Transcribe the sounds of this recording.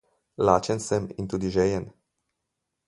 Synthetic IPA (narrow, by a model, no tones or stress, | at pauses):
laːt͡ʃənsəmḭnt̪uːd̪iʒɛːjən